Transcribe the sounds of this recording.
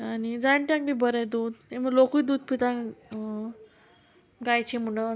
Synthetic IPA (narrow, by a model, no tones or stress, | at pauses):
anid͡zaɳʈjãk̚bibəɾɛjd̪ud̪eməɡlokujd̪uːd̪̚pit̪ã | ɡajt͡ɕem̤uɽə